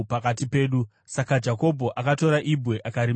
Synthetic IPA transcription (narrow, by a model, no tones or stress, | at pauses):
pakatipe̞ːɗu | sakad͡ʒako̞bʱo̞ʔakato̞ɾaʔibʱwe̞ʔakaɾi